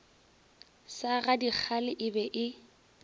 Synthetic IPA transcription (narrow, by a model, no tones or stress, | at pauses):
saɣadik͡xʰalɪʔɪbɛʔɪ